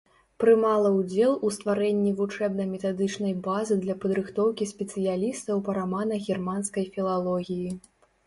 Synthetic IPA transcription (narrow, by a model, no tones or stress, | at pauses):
pɾɨmalˠɐwd͡zʲɛlˠust̪vaɾɛnʲːivut͡ʂɛbnɐjmʲɛt̪ad̪ɨt͡ʂnɐjbazɨd̪lʲɐpɐd̪ɾɨxt̪ɔwkʲisʲpʲɛt̪sɨjalʲist̪ɐwpɐɾamanɐɣʲirmanskɐjfʲilˠalˠɔɣʲiji